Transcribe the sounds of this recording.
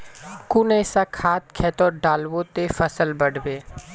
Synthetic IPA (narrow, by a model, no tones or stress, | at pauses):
kuneːsakʰaːt̪̚kʰɛːt̪oːɖaːlwot̪efəsəlbəɽbeː